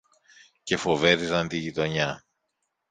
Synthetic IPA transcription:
ce̞fo̞ve̞ɾizɐnt̪iʝit̪o̞ɲɐ

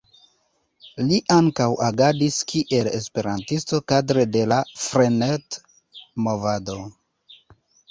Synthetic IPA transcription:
liʔaŋkawaɡadiskʰiʔe̞le̞spe̞ɾantisto̞kadɾe̞de̞lafɾenet | mo̞vado̞

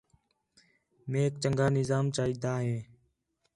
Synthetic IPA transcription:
mẽːk̚t͡ʃəŋɡaːnɪzaːmt͡ʃaːiːd̪aːɦẽː

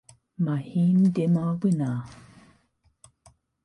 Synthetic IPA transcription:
mahimd̪emawina

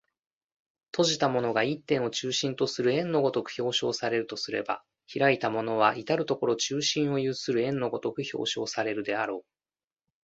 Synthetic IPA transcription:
t̪ʰo̞ʑit̪amo̞no̞ɡait̪ːẽ̞ɰ̃o̞t͡ɕɨːɕĩnt̪o̞sɨɾɯ̟ẽ̞nːo̞ɡo̞t̪o̞kɯ̟̥ço̞ːɕo̞ːsaɾe̞ɾɯ̟t̪o̞sɨɾe̞̰ba̰ | çiɾait̪amo̞no̞β̞ait̪aɾɯ̟t̪o̞ko̞ɾo̞t͡ɕɨːɕĩɰ̃o̞jɯːsɨɾɯ̟ẽ̞nːo̞ɡo̞t̪o̞kɯ̟ço̞̰ːɕo̞̰ːsaɾe̞ɾɯ̟d̪e̞aɾo̞ː

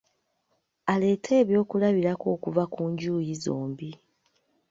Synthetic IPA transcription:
ale̞ːtʰe̞ːβjo̞ːkulaβiɾako̞ːkuvakuːɲɟuːjizoːmbi

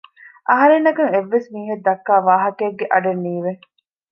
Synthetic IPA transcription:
ʔɐɦɐɾenːɐkɐŋeʋːesmiːɦed̪ːɐkːaːʋaːɦɐkeːɡːeʔɐɖɐnːiːʋe

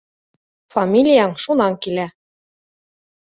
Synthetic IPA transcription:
fɑmʲilʲijɑŋʃunɑŋkilæ

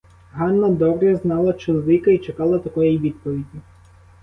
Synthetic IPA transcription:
ɦɑnːɐd̪ɔbɾɛznɑlˠɐt͡ʃɔzlɪkɐit͡ʃekɑlˠɐt̪ɐkɔjiʋʲid̪̚pɔʋʲidʲi

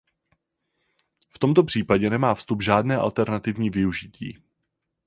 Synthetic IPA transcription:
ft̪o̞mt̪o̞pr̝̥iːpaɟɛnɛmaːfst̪ubʒaːdnɛːʔa̰lt̪ɛɾnat̪ɪvɲiːvɪuʒɪcḭː

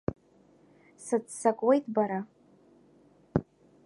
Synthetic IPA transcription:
sɨt͡ssakʼwe̞jtʼbaɾa

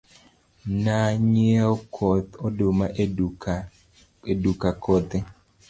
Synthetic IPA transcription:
naɲɪaokʰɔt̪ɔdomaʔe | edukakɔt̪e

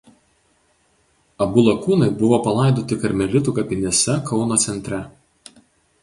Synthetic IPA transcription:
ɐbʊlˠɐkuːnɐɪbʊʋoːpɐlˠɐˑɪd̪oːt̪ʲɪkɐɾʲmʲɛlʲɪt̪uːˑkɐpʲɪnʲisʲɛkɒʊnoːt̪sʲɛnʲt̪ʲɾʲɛ

